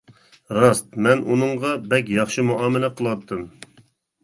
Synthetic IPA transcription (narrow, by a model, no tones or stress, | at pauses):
ɾɑst̪̚mɛnʔunɨŋʁɑbɛk̬ʲjɑχʃɨmuʔɑːmɪlɛqʰəlˠɑt̪ʰːɨm